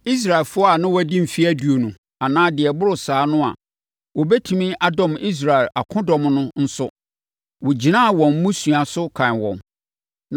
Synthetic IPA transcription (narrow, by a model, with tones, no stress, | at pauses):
i˦s̬ɾa˨ɛ˨lfʊ˦ɔ˦a˨nɪ̃˦wɔ˦æ˨dĩ˦m̩˨fi˦æ˦du˨o˨nũ˨ | a˨nãː˦dɪ˨ɛ˨bʊ˦ɾʊ˨saː˨˦nʊ̃˦a̰˨ | wɔ˨bɛ˦tʰũ˨mĩ˦ʔa˦dɔ̃˨mi˦s̬ɾa˨ɛ˨la˨kʰʊ̃˦dɔ̃˨mnʊ̃˦n̩˦sʊ˦ | wɔ˨d͡ʑi˨nã˦˨wɔ̃˨m̩˦mũ˦sũ˨a˨sʊ˦kʰã˨nwɔ̰̃˨m